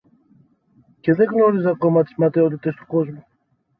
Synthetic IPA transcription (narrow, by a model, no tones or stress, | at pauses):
ceðeɣnoɾizɐkomat̪i̥smat̪eot̪it̪est̪o̥kozmu